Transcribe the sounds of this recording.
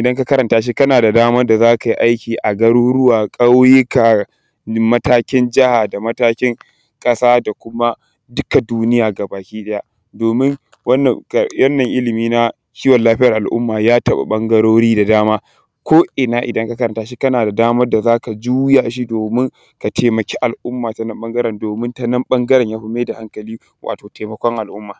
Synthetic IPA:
ʔɪ˨dɐ˦ŋka˦kɐ˦ɾɐ˨ntaː˦ʃ̬i˦kɐ˦naː˨da˨daː˦mɐ˦rda˨zaː˦ka˨ji˦ʔa˦jkʲiː˨ʔa˨ɡɐ˦ɽu˦ɽʊ˦waː˨kʼa˦wjɪ˦ka˨˦ | mɐ˦taː˦kʲɪ˦nd͡ʒɪ˦ha˨da˨mɐ˦taː˦kʲɪ˦ŋ | kʼɐ˦saː˦da˨kʷʊ˦ma˦ | dʊ˦ka˨duː˦nɪ˦jaː˨ɡa˨baː˨kʲiː˦ɗɐ˦ja˦˨ | doː˨mɪ˦ŋ | wɐ˦nːɐ˨kwɐ˦nːɐ˨ŋʔɪ˦lɪ˨miː˦na˦ | kʲiː˦wɔ˨nlaː˦ɸɪ˦ɐ˨rʔa˨lʔʊ̰˦mːaː˨jaː˦tɐ˦ɓa̰˨ɓɐ˦ŋɡɐ˦ɾoː˦ɽiː˦da˨daː˦maː˦ | kʷoː˦ʔɪ˨naː˦ʔɪ̰˨dɐ˦ŋka˦kɐ˦ɾɐ˨ntaː˦ʃi˦kɐ˦naː˨da˨daː˦mɐ˦rda˨zaː˦ka˨d͡ʒu˦ja˨ʃi˦doː˨mɪ˦ŋ | ka˨tʰeː˨mɐ˨kʲeː˦ʔa˨lʔʊ˦mːaː˨ta˨nɐ˦mɓɐ˦ŋɡɐ˦ɾɛ˨ndoː˨mɪ˦nta˦nɐ˦mɓɐ˦ŋɡɐ˦ɾɛ˨ɲjaː˦ɸɐ˦meː˦da˨ha˦ŋkɐ˨liː˦ | wʔa̰ː˨toː˨teː˨mɐ˨kʷɔ˦ŋʔa˨lʔʊ˦mːaː˨

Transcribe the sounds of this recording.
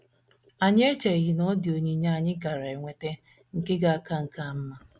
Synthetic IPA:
a˨ɲ˦e˦t͡ʃa˨i˨ɦi˦nɔ˦dɪ˨o˨ɲi˦ɲ˦˨ɲɪ˦ɡa˨ɾa˨e˨ŋʷe˨te˦ | ŋ̩˨ke˦ɡa˨a˦ka˦ŋ̩˨ka˦m̩˦ma˨

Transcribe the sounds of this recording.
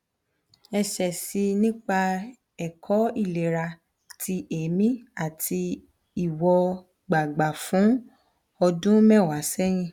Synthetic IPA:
ɛ˧ʃɛ˨si˧nĩ˦k͡pa˧ | ɛ˨kʰɔ˨˦i˦˨le˨ɾa˧ | tʰi˧ʔe˨˦mĩ˦a˦˨tʰi˧ | i˦˨wɔ˧ | ɡ͡ba˨ɡ͡ba˨fũ˨˦ | ɔ˧dũ˦mɛ̃˦˨wa˨˦sɛ˦ɾ̃ĩ˦˧˨

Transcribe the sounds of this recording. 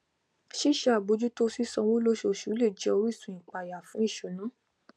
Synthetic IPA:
ʃi˦˨ʃa˧˦a˨bo˨˧d͡ʒu˦to˦si˦sɔ̃˧wõ˦lo˦ʃo˧ʃu˨˦le˦˨d͡ʒɛ˧˦o˧ɾi˦˨sũ˨ĩ˨k͡pa˨ja˨fũ˨˦i˦˨ʃo˨˦nã˨˦

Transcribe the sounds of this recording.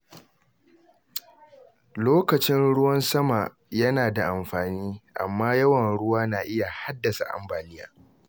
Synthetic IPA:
loː˦kɐ˨t͡ʃɪ˦nɽʊ˦wɐ˦nsɐ˦ma˨ | jɐ˦naː˨da˨ʔa˨mɸaː˨niː˦ʔa̰˨mːaː˦jɐ˦wɐ˨nɽʊ˦waː˦naː˨ʔɪ˦ja˨ha˦dːɐ˨sa̰˨ʔa̰˨mbaː˨nɪ˦ja̰ː˦

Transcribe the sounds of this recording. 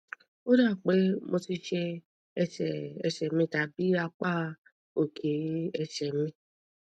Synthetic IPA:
o˦da˦˨k͡pe˦mo˧ti˧ʃɛ˧ | ɛ˧sɛ˨ɛ̰˧˨ʃɛ˨mĩ˧ta˨bi˨˦a˧k͡pa˦ | o˨kʰe˨˦ɛ˧ʃɛ˨mĩ˧˦

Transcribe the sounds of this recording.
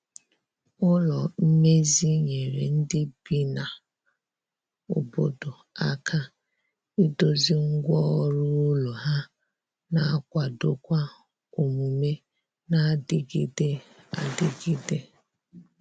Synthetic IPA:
ʊ˦lɔ˨m̩˦me˦zi˦ɲe˨ɾḛ˨n̩˦dɪ˦b̥i˦na˨ | o˨bo˦do˨ | a˦kʰa˦ | i˦do˦zi˦ŋ̩˦ɡʷɔ˦ɾu˦lo˨ɦa˦ | na˨a˦˨kʷa˨do˦kʷa˦ | o˨mu˨me˦ | na˦dɪ˦ɡi˦de˦ | a̰˨dɪ˦ɡi˦de˦

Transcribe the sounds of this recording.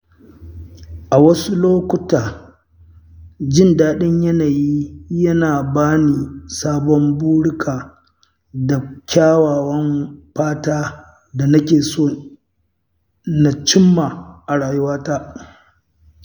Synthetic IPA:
ʔa˨wɐ˦su˦loː˦kʷʊ˦taː˨ | d͡ʒɪ˦˨ndaː˦ɗɪ˦ɲjɐ˦naː˨ji˦jɐ˦naː˨baː˦ni˨saː˦bɔ˦mbuː˦ɽʊ˦kʰaː˨ | da˨kʲʰaː˦waː˨wɐ˦mɸaː˦taː˦ | da˨nɐ˦kʲeː˨soː˦˨ | na˨t͡ʃɪ˦mːa˨ʔa˨ɽaː˨jʊ˦waː˦taː˦ʔ

